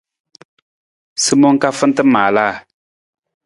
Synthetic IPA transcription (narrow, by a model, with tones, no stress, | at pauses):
sɨ˦mɔ˦ŋka˦fɨ˦n˦tɨ˦maː˨laː˦˨